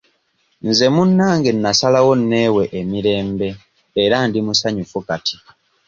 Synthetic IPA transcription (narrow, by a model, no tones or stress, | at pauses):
nze̞munːaːŋɡe̞nːasalawo̞nːe̞ːwe̞ʔemiɾe̞ːmbe̞ː | ɾandimusaɲufukati̥